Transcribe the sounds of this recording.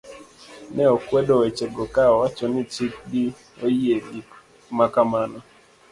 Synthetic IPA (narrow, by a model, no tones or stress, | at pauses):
nɛɔkwɛdɔet͡ʃeɡɔkaɔwat͡ʃɔnɪt͡ʃik̚di | ojiedik | makamanɔ